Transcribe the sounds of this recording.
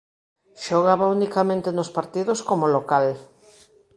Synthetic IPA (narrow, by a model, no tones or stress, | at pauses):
ʃoɣaβaunikamẽnt̪enospaɾt̪iðoskomolokal